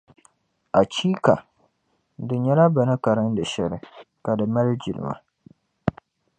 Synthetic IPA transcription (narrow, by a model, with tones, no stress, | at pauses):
ʔa˨t͡ʃiː˦ka˨ | dɨ˨ɲɛ˦la˦ba˨nɨ˦ka˨ɾɨ˦n˦dɨ˨ʃɛ˨lɪ˨ | ka˨dɨ˨ma˦ld͡ʒi˨lɪ̰˨ma̰˨